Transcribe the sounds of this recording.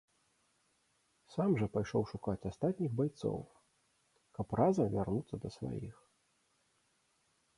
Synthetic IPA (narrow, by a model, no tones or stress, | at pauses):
samʐɐpajʂɔwʂukat͡sʲast̪at̪ʲnʲiɣbajt̪sɔ̰w | kɐprazɐvʲarnut̪sːɐd̪ɐsva̰jḭx